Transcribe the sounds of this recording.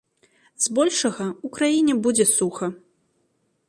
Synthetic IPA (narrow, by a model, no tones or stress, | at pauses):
zbɔlʲʂɐɣɐukɾajinʲɛbud͡zʲɛsuxɐ